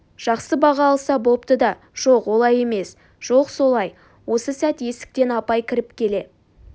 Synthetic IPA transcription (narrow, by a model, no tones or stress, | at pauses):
ʒ̥ɑqsəbɑʁɑːlˠsɑbo̞pt̪əd̪ɑ | ʒ̥o̞qwo̞lˠɑje̞me̞s | ʒ̥o̞qso̞lˠɑj | wo̞səsæt̪je̞sɪ̥k̚t̪e̞nɑpɑjkʲʰɪɾɪpkʲʰe̞le̞